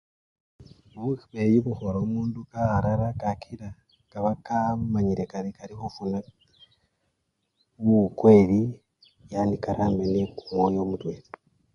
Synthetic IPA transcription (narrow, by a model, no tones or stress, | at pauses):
βuxiβejuβuxoɾomuːndukaɾaɾakakʰiɾa | kaβakamaɲiɾekaɾikaɾixufuna | βukwe̞ɾi | janikaɾamenekumwojo̞mutweːɾi